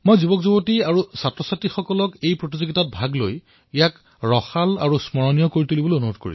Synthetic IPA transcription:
mojzubɔkzubotiaɹusatɹɔsatixɔkɔlɔkejpɹotizoɡitat̚bʱaɡlo̰j | ijak | ɹɔxala̰ɹusmɔɹɔnijɔkoɹituliboleonuɦod̚ko̰ɹḭ

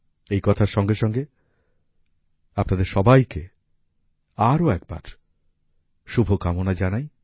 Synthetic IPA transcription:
ejkɔt̪ʰaɾʃɔŋɡeʃɔŋɡe | apnad̪eɾʃɔbajke | aɾoɛk̚ba̰ɾ | ʃubʱokamonad͡ʑanaj

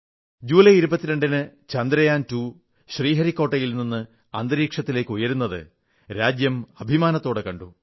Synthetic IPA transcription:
d͡ʑuːlɐjiɾubɐt̪ːiɾeɳɖinɨt͡ɕɐnd̪ɾɐjaːntu | ɕriːɦɐɾikːo̞ːʈːɐjilninːɨ | ɐnd̪ɐɾiːkʂɐt̪ːile̞ːkːujɐɾunːɐðɨ̰ | ɾaːd͡ʑjɐmɐbʱimaːnɐt̪ːo̞ːɽekɐɳɖu

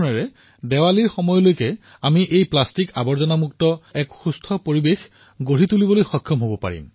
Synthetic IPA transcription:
mɛɹɛ | dɛwaliɹxɔmɔjɔlojkɛ | amiʔejplastikabɔɹzɔnamuk̚tɔɛkxustʰɔpoɹibex | ɡoɹitulibɔlojxɔkʰːjɔmɦobɔpa̰ɹḭm

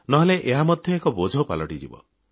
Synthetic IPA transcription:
nɔɦeleʔeɦamɔd̪ʱjɔekɔbod͡ʒʱɔpa̰lɔʈid͡ʒḭbɔ̰

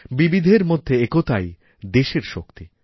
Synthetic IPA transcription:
bibid̪ʱeɾmod̪ʱːeekot̪aj | d̪eʃeɾʃo̰kt̪i

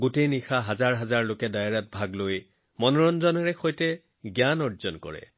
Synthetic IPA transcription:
ɡutejnixaɦazaɹɦazaɹlokɛdajɹat̚bʱaɡloj | mɔnɔɹɔnzɔnɔɹɛxojtɛ | ɡjanɔɹzɔnkɔ̰ɹɛ̰

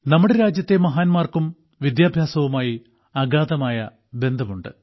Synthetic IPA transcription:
nɐmːuɽeɾaːd͡ʑjɐt̪ːe̞mɐɦaːnmaːrkum | ʋid̪jaːbʱjaːsɐʋumaːji | ɐɡaːðɐmaːjɐ | be̞nd̪ʱɐmuɳɖɨ

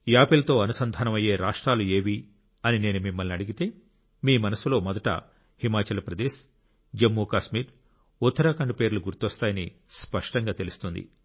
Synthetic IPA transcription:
jaːpilɐt̪o̞ːɐnusɐnd̪ʱaːnɐmɐje̞ːɾaːʂʈɾaːlue̞ːʋi | ɐnine̞ːnumimːɐlniɐɽiɡit̪e̞ː | miːmɐnɐsulo̞ːmɔd̪ɐʈɐ̰ | himaːt͡ʃɐlɐpɾɐd̪eːs | d͡ʒemːuːkaːʃmiːɾ | ut̪ːɐɾaːkɐɳɖupe̞ːɾuluɡuɾt̪ɔst̪aːjɐnispɐʂʈɐŋɡaːt̪e̞lust̪und̪ḭ

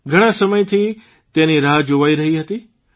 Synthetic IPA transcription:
ɡʱəɽ̃ãsəməjt̪ʰi | t̪ẽniɾaːɦd͡ʒoʋaːiɾəɦiɦət̪i

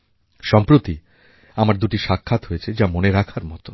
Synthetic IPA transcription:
ʃɔmpɾot̪i | amaɾd̪uʈiʃakʰːat̪ɦoet͡ɕʰed͡ʑamoneɾakʰaɾmɔt̪o

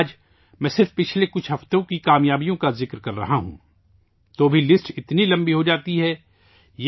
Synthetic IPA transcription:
d͡ʒ | mɛ̃ːsɪɾfpɪt͡ʃʰlekʊt͡ʃʰɦɐft̪õkikaːmjaːbijõkazɪkɾkɐɾːɐ̰ɦaɦṵ̃ː | t̪oːbʱilɪsʈɪt̪nilɐ̃mbiɦod͡ʒaːt̪iɦɛː | j

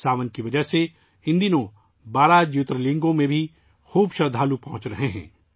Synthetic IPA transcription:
saːʋənkiʋɐd͡ʒəɦse | ɪ̃nd̪inõ | baːɾad͡ʒjʊt̪ɾəlɪ̃ŋɡõmẽbʱi | xuːbʃɐɾd̪ʱaːlupɐɦʊ̃t͡ʃɾɐɦeɦɛ̰̃ː

